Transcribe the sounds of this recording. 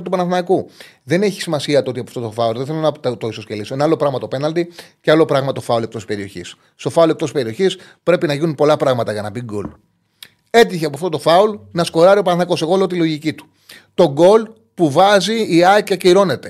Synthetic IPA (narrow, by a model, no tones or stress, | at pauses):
t̪upɐnɐθnɐku | ðe̞ne̞çi̥simɐsiɐt̪oo̞t̪iɐpɐft̪ot̪o̞fɐolðeθe̞lonɐt̪t̪o̞iso̞scelisoe̞nɐɐlo̞pɾɐɣmɐt̪o̞pe̞nɐlt̪icealo̞pɾɐɣmɐt̪o̞fɐolek̚t̪o̞si̥spe̞ɾio̞çḭs | sːt̪o̞fɐolekt̪osipe̞ɾio̞çis | pɾe̞pinɐʝinunpo̞lɐpɾɐɣmɐt̪ɐʝɐnɐbiɡo̰l | e̞t̪̬içeɐpoɐft̪o̞t̪o̞fɐulnɐsko̞ɾɐɾio̞pɐnɐθnɐko̞se̞ɣo̞lot̪ilo̞ʝicit̪u̥ | t̪o̞ɡo̞l | puvɐziːɐcɐciiɾo̞ne̞t̪e̞